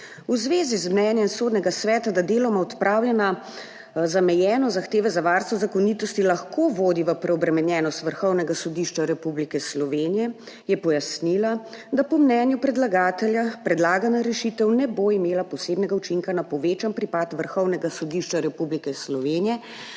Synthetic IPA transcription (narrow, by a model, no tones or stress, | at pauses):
uzʋeːzizmnɛnjɛmsod̪nɛɡasʋɛːt̪ad̪ad̪eːlɔmaɔt̪pɾʔaːwlʲjɛna | zamɛjɛːnɔzaxt̪eːʋɛzaʋaːɾst̪ʋɔzakɔniːt̪ɔst̪ilaxkoːʋoːd̪iʋəpɾɛɔbɾɛmɛnjɛːnɔst̪ʋəɾxɔwnɛɡasɔd̪iʃt͡ʃaɾɛpublikɛslɔʋenijɛ | jɛpɔjasnila | d̪apɔmnɛnjupɾɛd̪laɡaːt̪ɛljapɾɛd̪laːɡanaɾɛʃit̪ɛwnɛboːimeːlapɔseːbnɛɡaut͡ʃiŋkanapɔʋeːt͡ʃanpɾipat̪ʋəɾxɔwnɛɡasɔd̪iʃt͡ʃaɾɛpublikɛslɔʋeːnijɛ